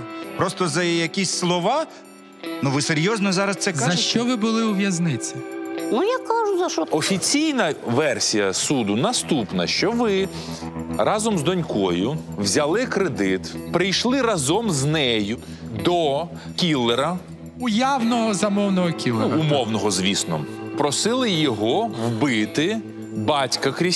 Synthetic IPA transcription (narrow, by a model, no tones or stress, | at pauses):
pɾɔst̪ɔzɐjɐkʲisʲslˠɔʋɑ | nuʋɪseɾʲjɔznɔzɑɾɐst̪sɛzkaɐʃt͡ʃɔʋɪbʊlˠɪʊʋʲjɐznɪt͡sʲɪnujakɑʒʊzɐʃɔɔfʲit͡sʲijnɐʋɛrsʲijɐsud̪ʊnɐst̪upnɐ̰ʃt͡ʃɔʋɪ | rɑzɔmzd̪ɔnʲkɔjʊ | wzʲɐlˠɪkɾed̪ɪt̪pɾɪjʃlˠɪrɑzɔmznɛjʊ | d̪ɔ | kʲilˠːeɾɐ | ʊjawnɔɦɔzɐmɔwnɔɦɔkʲilˠnɾumɔwnɔɦɔzʋʲisnɔ̰pɾɔsɪlˠɪjɔɦɔwbɪt̪ɪ | bɑtʲkɐkɾʲi